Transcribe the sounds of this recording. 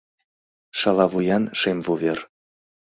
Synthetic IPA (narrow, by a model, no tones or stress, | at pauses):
ʃɑlɑβujɑnʃemvuvʲer